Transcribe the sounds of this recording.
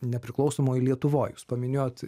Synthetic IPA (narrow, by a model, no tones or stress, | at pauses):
nʲɛpʲɾʲɪklˠɐʊsoːmoːilʲiɛt̪ʊʋoːjuːspɐmʲɪnʲoːjoːt̪